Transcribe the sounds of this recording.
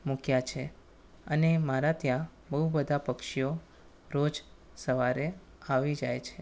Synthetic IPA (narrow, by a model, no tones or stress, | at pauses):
mũkjat͡ʃʰe | ənemaɾat̪jã | bəɦubəd̪ʱapəkʃijo | ɾod͡ʒ | səʋaɾe | aʋid͡ʒajt͡ʃʰe